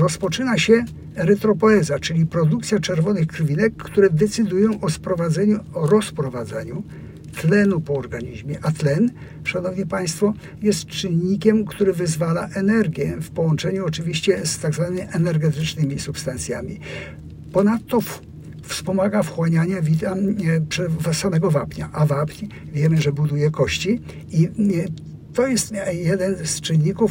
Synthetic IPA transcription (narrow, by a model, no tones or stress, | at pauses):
ɾɔspɔt͡ʂɘnaɕɛ | ɾɛt̪ɾɔpɔɛzat͡ʂɘlʲipɾɔd̪uk̚t̪sʲjat͡ʂɛɾvɔnɘxkɾvʲinɛkːt̪uɾɛd̪ɛt̪sɘd̪ujɔ̃w̃ʔɔspɾɔvad̪zɛɲuɾɔspɾɔvad̪zaɲu | t̪lɛnupɔːɾɡaɲiʑmʲjɛʔat̪lɛn | ʂanɔvɲipaj̃st̪fɔ | jɛst̪t͡ʂɘnːikʲɛmkt̪uɾɘvɘzvalaʔɛnɛɾɡʲjɛfpɔwɔnt͡ʂɛɲuɔt͡ʂɘvʲiɕt͡ɕɛst̪aɡzvanɘmʲiʔɛnɛɾɡɛt̪ɪt͡ʂnɘmʲisupst̪ant̪sʲjamʲi | pɔnat̪ːɔf | fspɔmaɡafxwaɲaɲavʲit̪apʂɛsamɛɡɔvapɲaʔavapɲ | vʲjɛmɘʐɛbud̪ujɛkɔɕt͡ɕi | i | t̪ɔjɛst̪jɛd̪ɛnst͡ʂɘnːikuf